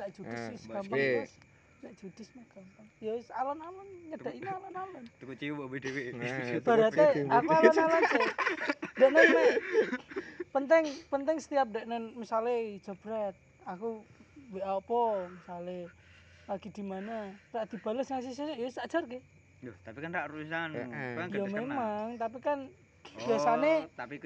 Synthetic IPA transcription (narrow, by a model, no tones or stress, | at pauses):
t̪aʔd͡ʒ̥ud̥isskampaas | d̪aʔd͡ʒud̥ismakampanjosalanalənɲəd̥aʔinialanamənkt͡ʃiwbedewebaɾat̪eakualanalansɛ | dɛʔnɛnwɛ | pənt̪ɪŋpənt̪ɛŋsə̥t̪iap̚dɛʔnɛnmisaled͡ʒab̥ɾɛt̪̚ | akuweʔapɔmisale | paɡidimanaraʔd̪ib̥aləsŋas̬is̬esjosad͡ʒarɡɛ | dt̪apikanraʔruisanjamemaŋt̪ap̬ikan | b̥iasanet̪api